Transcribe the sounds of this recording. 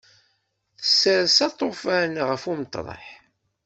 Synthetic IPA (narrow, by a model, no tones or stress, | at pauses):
θə̥sːəɾsɑt̪ˤːofænʁəfumt̪ˤːɾˤə̰ħ